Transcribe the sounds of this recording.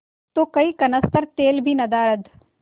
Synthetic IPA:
t̪oːkɐikɐnəst̪əɾt̪eːlbʱinɐd̪aːɾəd̪

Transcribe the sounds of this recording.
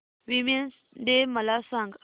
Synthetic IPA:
wimens | ɖeməlasãŋɡ

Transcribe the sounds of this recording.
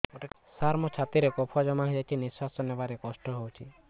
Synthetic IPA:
oʈe | saɾmɔt͡ʃʰat̪iɾekɔpʰad͡ʒɔmaɦid͡ʒajt͡ʃʰinisasɔnebaɾekɔsʈɔɦowt͡ʃʰi

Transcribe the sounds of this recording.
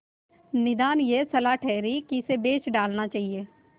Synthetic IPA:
nɪd̪aːnjeːsəlaːʈʰɛːɾiːkiɪseːbeːt͡ʃɖaːlnaːt͡ʃaːɦieː

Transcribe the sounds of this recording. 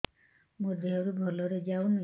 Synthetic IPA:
mud̪ʱːeɦɔɾubʱɔloɾed͡ʒawnu

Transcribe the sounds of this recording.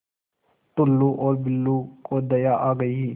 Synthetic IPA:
t̪ʊlːuʔɔːɾbɪlːukʰʼod̪ɐjaʔaːɡɐji

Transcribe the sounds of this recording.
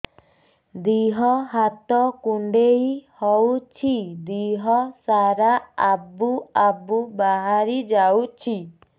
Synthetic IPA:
d̪iɦɔɦat̪ɔkuɳɖejhɔwt͡ʃʰid̪iɦɔsaɾaːbuabubaɦaɾid͡ʒawt͡ʃʰi

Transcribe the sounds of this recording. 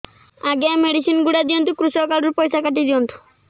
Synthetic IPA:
aɡɛmeɖiʃinɡuɽad̪iont̪ukɾusɔkaɖuɾpojʃakaʈ̬id̪iont̪u̥

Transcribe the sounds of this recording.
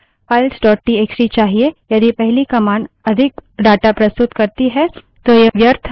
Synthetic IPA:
paːɪlsɖɔːʈ̚ʈieːksɾit͡ʃaːɦiejɐd̪ipɛɦlikɐmaːɳ | ɐd̪ʱɪk̚ɖaːʈapɾɐst̪ʊt̪kɐɾt̪iɦɛ | t̪ojeʋjɐɾt̪ʰ

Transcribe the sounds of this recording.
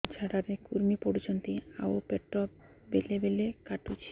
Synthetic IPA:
d͡ʑʰaɽaɾekuɾmipoɾid͡ʑont̪ia̰opeʈːɔp | belebelekaʈut͡ɕʰi̥

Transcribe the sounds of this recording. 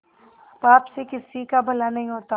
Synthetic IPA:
paːpsekɪsikabʱɐlanɐɦĩɦoːt̪a

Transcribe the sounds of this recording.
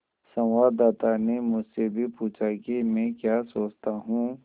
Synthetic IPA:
sɐ̃ʋaːdd̪ːaːt̪anemʊd͡ʒʱsebʱipuːt͡ʃʰakimɛ̃ːkjaːsoːt͡ʃt̪aɦũː

